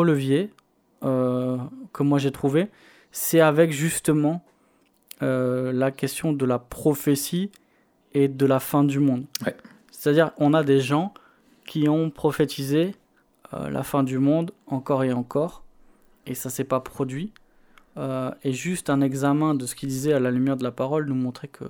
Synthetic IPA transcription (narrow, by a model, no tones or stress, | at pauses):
ələvje | ø | kʰəmwaʒet̪χuve | sɛavɛkʒyst̪əmɑ̃ | ølakʲɛst̪jɔ̃d̪əlapχɔfesi | ed̪əlafɛ̃d̪ymɔ̃d̪ | se̥t̪ad̪iʁɔ̃nad̪eʒɑ̃ | kʲʰiɔ̃pχɔfet̪ʰize | ø̰lʔa̰fɛ̃d̪ymɔ̃d̪ɑ̃kɔʁeɑ̃kɔʁ | esasɛpapχɔd̪ɥi | øeʒyst̪ɛ̃nɛɡzamɛ̃d̪əsə̥kʲild̪izɛalalymjɛʁd̪əlapaʁɔlnumɔ̃t̪χekʰə̰